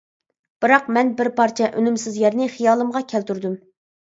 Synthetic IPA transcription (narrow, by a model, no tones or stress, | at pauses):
b̥ɨɾɑqmɛnbɪɾpʰɑɾt͡ʃʰɛʔønymsɪzjæɾnɪχijɑːlˠɨmʁɑkʲʰælt̪yɾd̪ym